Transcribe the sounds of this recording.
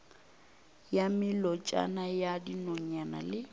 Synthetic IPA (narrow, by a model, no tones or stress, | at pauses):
jamɪlɔt͡ʃʼa̰najadinɔɲana̰lɪ